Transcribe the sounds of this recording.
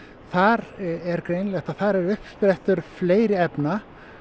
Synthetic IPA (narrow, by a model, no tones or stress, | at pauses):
θaɾɛɾkɾejnlɛt̪aθaɾɛɾʏhpspɾɛht̪ʏɾ̥fleːjɾɪɛpna